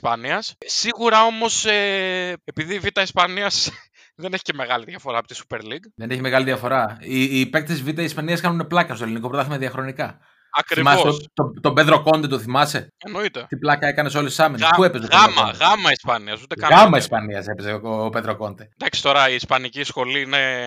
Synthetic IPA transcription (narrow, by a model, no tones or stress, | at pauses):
ispɐniɐssiɣuɾɐo̞mo̞seepiðivit̪ɐispɐniɐs | ðeneçi̥ceme̞ɣɐliðiɐfo̞ɾɐːpot̪i̥su̥peɾliɡðene̞çime̞ɣɐliðiɐfo̞ɾɐipe̞k̚t̪siszvit̪ɐiːspɐniɐskɐnuneplɐkɐst̪olinikopɾot̪ɐθimeðiɐxɾo̞nikɐ | ɐkɾimɐsoet̪ot̪o̞be̞ðɾo̞ko̞nd̪et̪oθimɐseenoit̪et̪iplɐkɐe̞kɐneso̞lesi̥sɐminespue̞pest̪oɐmɐɣɐmɐispɐniɐsut̪ekɐɣɐmɐispɐniɐse̞pezepeðɾoko̞nd̪end̪ɐksi̥t̪o̞ɾɐiːspɐnicisxo̞liine